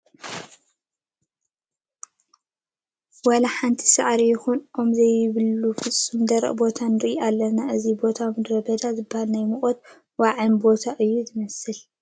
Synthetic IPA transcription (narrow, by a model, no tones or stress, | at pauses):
wɐlɐħant̪ʰi̥saʔɾijɪxunʔomzɐjɪβɨlːufɨt͡sʼːumd̪ɐɾɐ̰ʔbo̞t̪ʰanɨɾʔialːɐnaʔɨzibo̞t̪ʰamɨd̪ɾɐbɐd̪azɨbːahalnajmɨχʼot̪̚ | waʕɨnbo̞t̪ʰaʔɨjːuzɨmɐsɨl